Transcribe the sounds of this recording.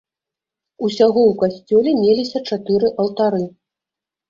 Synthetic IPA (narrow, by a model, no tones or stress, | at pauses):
usʲaɣɔwkasʲt͡sʲɔlʲɛmʲelʲisʲɐt͡ʂat̪ɨɾɨʔɐlˠt̪aɾɨ